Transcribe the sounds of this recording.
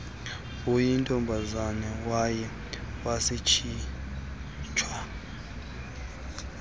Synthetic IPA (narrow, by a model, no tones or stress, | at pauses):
ujintʼɔmbʱazanɛwajɛ | wasit͡ʃʰi | t͡ʃʰwa